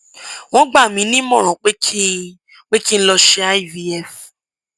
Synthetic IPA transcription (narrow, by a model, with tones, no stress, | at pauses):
w̃ɔ̃˦ɡ͡ba˦˨mĩ˨˦nĩ˦mɔ̃˦˨ɾ̃ɔ̃˨k͡pe˦kʰi˦ | k͡pe˦ki˦n̩˦lɔ˧ʃe˧a˦i˦vi˧ɛ˦˨f